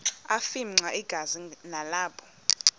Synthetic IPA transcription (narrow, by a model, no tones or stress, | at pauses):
afim̩ŋ͡ǀaʔiɡ̥ʱazinalaːpʰɔ̥